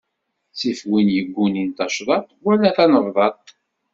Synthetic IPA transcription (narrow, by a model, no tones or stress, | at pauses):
sifwinjəɡʷːunint̪ɑʃðˤɑt̪ˤwælːæθænəvˤðˤɑt̪̚ˤ